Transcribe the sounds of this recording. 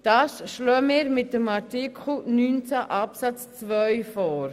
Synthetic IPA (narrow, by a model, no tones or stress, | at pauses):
d̥ɑːsʃlɔːmɪːɾmɪt̚dəmɑɾtikʰχl̩nyːnt͡saʔɑpsɑt͡st͡svœɥfɔːɾ